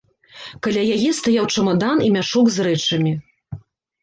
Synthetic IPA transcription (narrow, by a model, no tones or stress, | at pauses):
kalʲajajɛst̪ajawt͡ʂɐmad̪animʲaʂɔɡzɾɛt͡ʂɐmʲi